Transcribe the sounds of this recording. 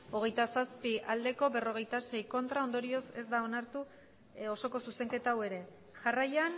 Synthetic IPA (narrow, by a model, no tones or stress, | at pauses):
o̞ɣ̞e̞jt̪asaspiʔald̪e̞ko̞be̞ro̞ɣ̞e̞jt̪ase̞jko̞nt̪ɾao̞nd̪o̞ɾio̞se̞zd̪ao̞naɾt̪u | o̞so̞ko̞suse̞ŋke̞t̪awe̞ɾe̞ | ʝarajan